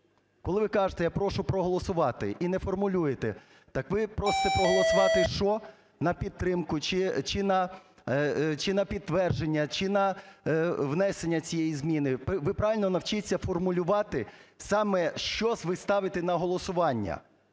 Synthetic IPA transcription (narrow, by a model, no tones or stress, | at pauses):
kɔlˠɪʋɪkɑʒet̪ɛjapɾɔʃʊpɾɔɦɔlˠɔsʊʋɑt̪ɪ̰ʔinɛfɔrmʊlʲujet̪ɛ | t̪ɑkʋɪpɾɔst̪ɛpɾɔɦɔlˠɔsʊʋɑt̪ɪʃɔ | nɐpʲid̪̚t̪ːɾɪmkʊt͡ʃɪt͡ʃɪnɐ | t͡ʃɪnɐpʲid̪̚t̪ːʋɛrʒenʲːɐt͡ʃɪnɐ | ʋnɛsenʲːɐt͡sʲijɛjizmʲinɪpʋɪpɾɑʋɪlʲnɔnɐwt͡ʃɪt͡sʲːɐfɔrmʊlʲʊʋɑt̪ɪsɑmɛʃt͡ʃɔsʲʋɪst̪ɑʋɪt̪ɛnɐɦɔlˠɔsʊʋɑnʲːɐ̰